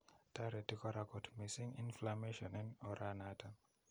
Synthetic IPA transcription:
taɾetikɔɾakɔtmisiŋinflameʃɔninɔɾanatʰa

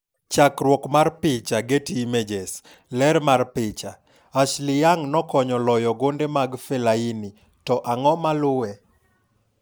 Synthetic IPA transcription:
t͡ʃakɾwɔkmarpɪt͡ʃaɡetimed͡ʒes | lɛɾmarpɪt͡ʃa | aʃlɪjaŋnɔkɔɲɔlɔjɔɡondemaɡfɛlaini | tɔʔaŋɔmalʊwɛ

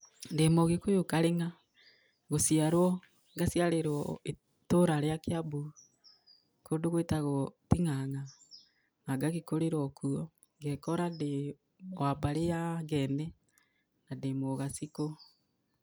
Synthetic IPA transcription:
ndemoɣekojokaɾeŋa | ɣosiaɾwɔ | ŋɡasiaɾeɾɔe | toɾaɾjakeabu | koːndoɣwetaɣɔtiŋaŋa | naɡaɣekoɾeɾɔkʰuɔ | ŋɡɛkɔɾade | wabaɾejaŋɡɛnɛ | nandemoɣasiko

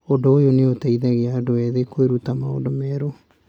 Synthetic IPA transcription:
odoojoneotɛiðɛɣeadoɛðekoeɾutamao̰ndomɛːɾo

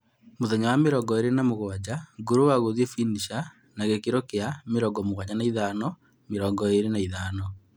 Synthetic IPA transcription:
moðɛɲawameɾɔŋɡɔeɾenamoɣwad͡ʑaɡoɾowaɣoðiefiniʃa | naɣekeɾokeameɾɔɡɔmoɣwaɲanaiðanɔ | meɾɔŋɡɔeɾenaiðaːnɔ

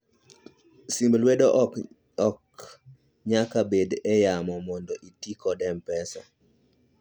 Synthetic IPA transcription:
simblwedoʔ | ɔk | ɲakabedɛjamɔmɔndɔʔitikɔdɛmpɛsɔ̰

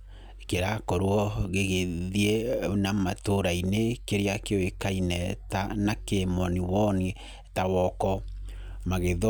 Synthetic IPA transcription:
ekeɾakɔɾwɔɣeɣeðienamatoɾainekeɾeakeowekainɛtanakemɔniwɔni | tawɔkɔ | maɣeð

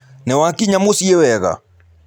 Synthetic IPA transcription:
nɛwakiɲamosiewɛɣa̰

